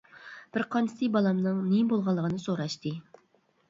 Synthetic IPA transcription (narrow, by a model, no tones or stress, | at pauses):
b̥ɪɾqʰɑnt͡ʃʰɪ̥t̪ɨbɑlˠɑmnɨŋnebolˠʁɑlˠːəʁənɨsoɾɑʃt̪ɨ